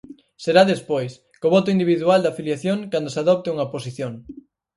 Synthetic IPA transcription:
seɾaðespojs | koβɔt̪oind̪iβiðuald̪aːfiljaθjoŋkand̪osaðɔp̚t̪euŋɐposiθjoŋ

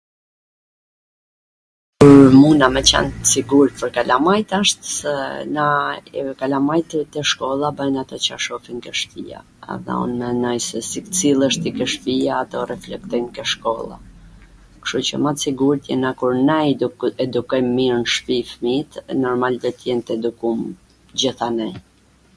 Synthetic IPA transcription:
kuɾmunamɛt͡ɕɛ̰nt̪əsiɡuɾt̪̚pəɾkalamajt̪aʃt̪sɛnakalamajt̪t̪ɛʃkɔlˠabənat̪ɔt͡ɕa̰ʃɔfiŋkəʃpḭa̰ | ɛ̰ðɛ̰ṵnmɛnɔjsɛsikt͡silˠəʃt̪ikəʃpiaːt̪ɔrɛflɛk̚t̪ɔjmkəʃkɔlˠa̰ | kʃt̪ut͡ɕə̰mat̪siɡuɾt̪jɛnakuɾnɛd̪uɛd̪ukɔjmːiɾnʃpifmit̪nɔɾmald̪ɔt̪jɛnt̪ɛd̪ukum | d͡ʑiθanɛj

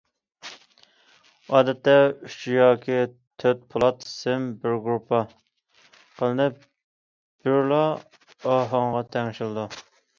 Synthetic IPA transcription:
ɑːd̪ɛt̪ːɛyt͡ʃjɑːkʲʰi | t̪ʰøt̪̚pʰʊlˠɑt̪sɪmbɪɾɡɾupʰːɑ | qʰəlˠɨnɨp | b̥yɾlˠɑ | ɑɦɑɴʁɑt̪ʰɛŋʃilˠɨd̪u

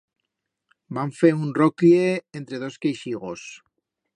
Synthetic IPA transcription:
baɱfeunrokieent̪ɾe̞ð̞o̞skejʃiɣ̞o̞s

